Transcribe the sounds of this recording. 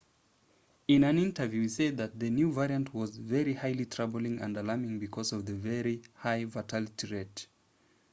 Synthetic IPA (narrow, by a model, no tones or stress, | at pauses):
ɪ̃nɨ̃nɪ̃ntə˞vjʉised̪̚ðɨt̪̚ðɨnjuvɛɹiɨ̃ntʰwʌzvɛɹihaɪlitʰɹ̥abl̩ˠɪ̃ŋɨ̰̃ndəlɑɹmɪ̃ŋbɨkʰɔzʌvðɨvɛɹihaɪvatʰalˠɨtʰiɹɛt